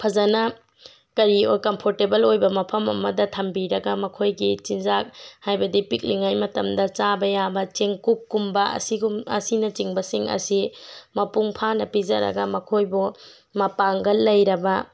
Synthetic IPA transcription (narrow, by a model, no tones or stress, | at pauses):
pʰɐzɐnɐ | kɐɾiojkɐmpʰoɾtebɐlojbɐmɐpʰɐmɐ̰mɐdɐtʰɐmbiɾɐɡɐmɐkʰojɡit͡ʃinzak̚hajbɐdipik̚liŋajmɐtɐmdɐt͡ʃabɐjabɐt͡ʃeŋkukːumbɐɐ̰siɡumɐ̰sinɐt͡ʃiŋbɐsiŋɐ̰simɐpuŋpʰanɐpizɐɾɐ̰ɡɐmɐkʰojbu | mɐpaŋɡɐlːɐjɾɐbɐ